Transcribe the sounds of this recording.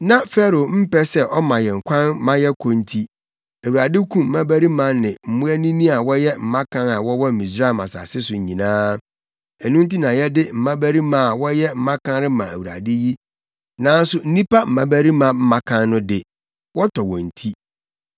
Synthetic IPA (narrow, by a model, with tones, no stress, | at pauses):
nã˦fɛ˦ɾo˨m̩˦pɛ˦sɛ˦ʔɔ˦mã˨jɛ˨ŋ̩˨kʷʰã˦n˦mã˦jɛ˦kʰɔ̃˦n̩˦tʰi˦ | æ˨wu˨ɾa˨dɪ˦kʰũ˦m̩˨mã˦bæ˦ɾi˦mã˦nɪ̃˨m̩˨mʊ̃˦ɛ˦nĩ˦nĩ˦a˨wɔ˦jɛ˦m̩˦mã˦kʰã˦na˨wɔ˦wɔ˦m̩˨mĩ˨sɾa˦˨mã̰˨sa̰˨sɪ˦sʊ˨ɲ˨ɲĩ˨nãː˦ | ɛ˨nũ˦n̩˦ti˦nã˨jɛ˦dɪ˦m̩˨mã˦bæ˦ɾi˦mã˨wɔ˦jɛ˦m̩˦mã˦kʰã˦nɾɪ˦mã˨æ˨wu˨ɾa̰˨dɪ˦ji˦ | nã˦n˦sʊ˦n̩˦nĩ˦pa˦m̩˨mã˦bæ˦ɾi˦mã˦m̩˦mã˦kʰã˦nːʊ̃˦dɪ˨ | wɔ˦tʰɔ˨wɔ̰̃˨n̩˨tʰi˦